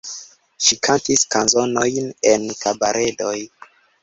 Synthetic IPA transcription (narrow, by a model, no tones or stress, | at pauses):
ʃikʰantiskanzonojnenkabaɾʔe̞do̞j